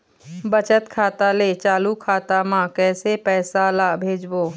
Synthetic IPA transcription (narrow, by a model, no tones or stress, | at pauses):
bət͡ʃət̪kʰaːt̪aleːt͡ʃaːlukʰaːt̪amãːkɛːsepɛːsalaːbʱeːd͡ʒboː